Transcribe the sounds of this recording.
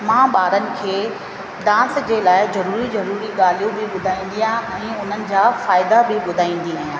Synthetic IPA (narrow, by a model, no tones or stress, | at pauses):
mãːɓaːɾənɪ̆kʰeː | ɖãːsd͡ʑeːlaːɪzɐɾuːɾizɐɾuːɾiɠaːl̤ijõbɪɓʊd̪ʱaːĩːn̆d̪ijãːɛ̃ːʊn̤ənɪ̆d͡ʑaːfaːɪd̪abɪɓʊd̪ʱaːĩːn̆d̪iaːɦjãː